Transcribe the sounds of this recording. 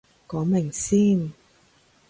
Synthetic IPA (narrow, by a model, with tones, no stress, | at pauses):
kɔː˨˥mɪ˨˩ŋsiː˥n